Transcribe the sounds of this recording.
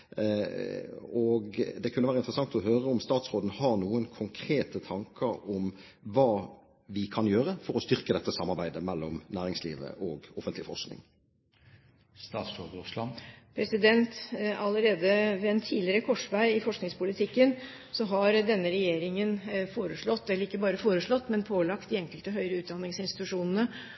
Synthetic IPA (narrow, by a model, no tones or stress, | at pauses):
ɔɡd̪ɛkʰʉnːəʋæːɾəɪnt̪ʁəsɑŋt̪ɔɦøːʁəɔmst̪ɑːt̪sʁoːd̪n̩hɑʁnuːənkʰʊŋkʰɾeːt̪ət̪ʰɑŋkəɾɔm | ʋɑː | ʋɪkʰɑnjøːʁəfɔɾɔst̪ʏɾkəd̪ɛt̪ːəsɑmːɑɾʁbæɪd̪əmɛlːɔmnæːɾɪŋslḭːʋə̰ʔɔɡɔfənt̪lɪfɔʁsknɪ̰ŋ | st̪ɑːt̪slod̪ʁʉslɑnpʰɾɛsɪd̪ɛnt̪ɑləɾeːd̪əʋɛɛnt̪ʰiːlɪəɾəkʰɔʂʋæɪɪfɔʂknɪŋspʊlɪt̪ʰɪkːən | sɔɦɑɾd̪ɛnːəɾɛjeːɾɪŋənfoːɾəʂɭɔt̪ːɛlːəɾɪkːəbɑːɾəfoːɾəʂɭɔt̪ːmɛnpʰoːlɑkt̪̚d̪ɪɛŋkəlt̪ɔɦœʏɾəʉːt̪̚d̪ɑnːɪŋsɪnst̪ɪt̪ʉʂuːnən̩ə